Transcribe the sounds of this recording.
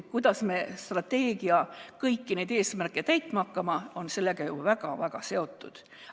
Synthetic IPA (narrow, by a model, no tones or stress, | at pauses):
kujd̪̥ɑsme̞st̪rɑt̪ːe̞ːɡ̥iɑkɤjkːine̞jd̪e̞ːsmærkːˑet̪æjt̪ːˑmɑkːɑmɑo̞nse̞lːe̞ɡ̥ɑjuvæɡ̥ɑvæɡ̥ɑse̞o̞t̪ːud̪̥